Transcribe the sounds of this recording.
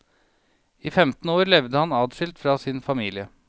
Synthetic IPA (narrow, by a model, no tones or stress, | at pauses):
iːfɛmt̪n̩oːɾlɛʋd̪əhɑnɑːd̪ʃʏlt̪fɾɑːsɪnfɑmiːlɪə